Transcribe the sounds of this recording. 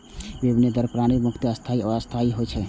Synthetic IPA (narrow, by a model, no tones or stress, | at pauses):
bebined̪əɾpɾañimukt̪əəst̪ʰaiɔəst̪ʰaiɦot͡ʃʰɛ